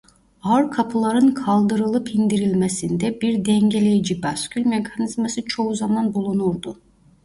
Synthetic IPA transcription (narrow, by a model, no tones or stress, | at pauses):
aɾkʰapʰɯlˠaɾɯnkʰalˠd̪ɯɾɯlˠɯpʰind̪iɾilʲmesind̪ɛbiɾd̪ɛŋɟelʲejid͡ʒibascʲylʲmekʰanizmasɯt͡ʃʰo̞uzamanbulˠunuɾd̪u